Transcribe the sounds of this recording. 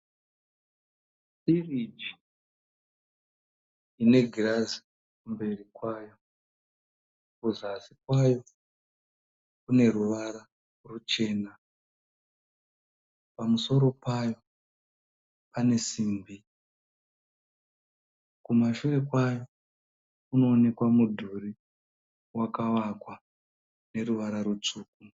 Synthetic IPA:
sirid͡ʒi | ine̞ɡʱirazi̥ | kumbe̞rikwajo̞ | kuzasikwajo̞ | kune̞ɾuʋaɾa | rut͡ʃe̞ːna | pamuso̞ɾo̞pajo̞ | pane̞siːmbi | kumaʃure̞kwajo̞ | kuno̞ːne̞kwamudʱuri | wakawakwa | ne̞ɾuʋaɾaɾut͡ʂuːk̚u

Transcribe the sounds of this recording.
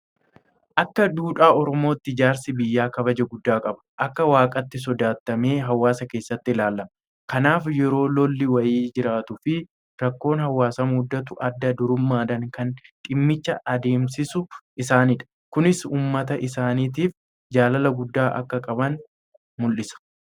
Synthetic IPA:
ʔɐkːɐd̪uːᶑaːɔɾɔmo̞ːt̪ːɪd͡ʒaːɾsɪbɪjːaːkɐbɐd͡ʒɐɡʊd̪ːaːkʼɐbɐ̥ʔɐkːɐwaːkʼɐt̪ːɪs̬ɔd̪aːt̪ːɐme̞ːɦɐwaːsɐke̞ːsːɐt̪ːɪlaːlːɐmɐ | kɐnaːfjɛɾo̞ːlɔlːɪwɐjiːd͡ʒɪɾaːt̪ʊfɪ | ɾɐkːo̞ːnhɐwːaːsɐmhʊd̪ːɐt̪ʊʔɐd̪ːɐd̪ʊɾʊmːaːd̪ɐŋkɐnᶑ̪ʼɪmːɪt͡ʃːɐʔɐd̪e̞ːmsɪsʊʔɪsaːnɪᶑɐ̥ | kʊnɪsuːmːɐt̪ɐʔɪsaːniːt̪̬iːf | d͡ʒaːlɐlɐɡʊd̪ːaːʔɐ̰kːɐkʼɐbɐn | mʊlʔɪsɐ̥

